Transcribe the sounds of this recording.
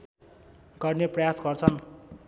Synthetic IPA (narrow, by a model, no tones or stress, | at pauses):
ɡʌrneprʌjasɡʌrt͡sʰʌn